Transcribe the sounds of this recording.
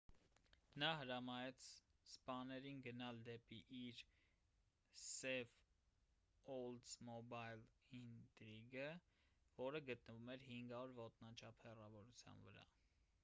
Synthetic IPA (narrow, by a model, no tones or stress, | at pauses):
nɑɦəɾɑmɑjɛt͡sʰ | spɑnɛɾinɡənɑld̪ɛpiʔiɾ | sɛv | ɔld̪zmɔbɑjlint̪ɾiɡə | vɔɾəɡət̪nəvumɛɾhiŋɡɑɔɾvɔt̪nɑt͡ʃʰɑpʰhɛrɑvɔɾut͡sʰjɑ̰nvəɾɑ̰